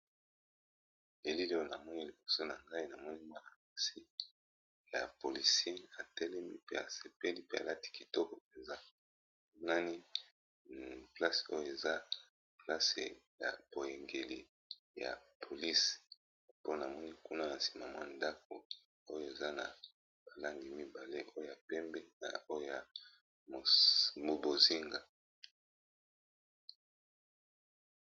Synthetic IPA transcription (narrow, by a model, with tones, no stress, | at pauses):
e˨li˦li˦o˦na˨mɔ˦ni˦li˨bo˨so˦na˨ŋɡa˦i˦na˨mɔ˦ni˦mwa˦a˨ma˨si˦ | ja̰˨po˨li˨si˦e˦a˨tɛ˦lɛ˦mi˦pḛ˦a˨se˨pɛ˦li˦pe˦a̰˨la˦ti̥˦ki˨tɔ˦kɔ˨e˨za˦˨˦ | na˦ni˦ | pla˦so˦jo˦˨e˨za˦ | pla˦sḛ˨ja̰˨b̥o˨je˨ŋɡe˨lḭ˨ | ja̰˨pʰo˨li˦s | po˦na˨mɔ˦ni˦ku˦na˦na˨si̥˨ma˨mwa˦˨nda˦k̚o̰˨ | o˦jo˦˨e˨za˦na̰˨ | b̥a˨la˦ŋɡi˨mi˦ba˨le˦ʔo˦o˨ja˨pɛ˦mbe˦na̰˨o˦jo˦ja˨ | m˨mo˨bo˨zi˦ŋɡa˨